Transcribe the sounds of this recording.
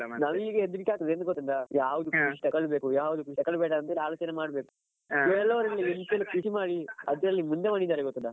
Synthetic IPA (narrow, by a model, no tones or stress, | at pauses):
nɐʋiːɡeed̪ːuɾikʲːaːkt̪ɐd̪eːnd̪ɡot̪ːuɳɾajaːʋud̪uiʂʈɐkːɐɭbeːkujaːʋud̪ukiʈ̪ɐkːɐɭbɛːʈɐɐnt̪eːlaːloːt͡ʃɐnemaːɽbeːku̥ | ɛlːɐʋɐɾɐlːient̪elːukisimaːɽiɐd̪ɐɐlːimund̪emɐɳid̪aːɾeɡot̪ːuna